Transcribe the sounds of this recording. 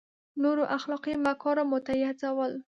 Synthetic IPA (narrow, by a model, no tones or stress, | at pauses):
noɾoʔaxlɑqimakɑɾamʊt̪ajat͡sawəl